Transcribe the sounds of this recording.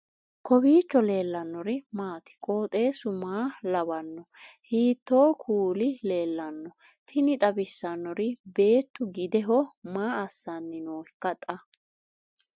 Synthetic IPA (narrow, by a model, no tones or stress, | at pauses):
kʰɔbiːt͡ʃːɔle̞ːlːɐnːɔɾɪmaːt̪ɪ̥kʼoːt̪ʼe̞ːsʊmaːlɐbɐnːɔhiːt̪ːo̞ːkʰuːlɪle̞ːlːɐnːɔ | t̪ʰɪnɪt̪ʼɐbɪsːɐnːɔɾɪbe̞ːt̪ːʊɡɪd̪ɛɦɔmaːɐsːanːɪnoːɪkːɐt̪ʼɐ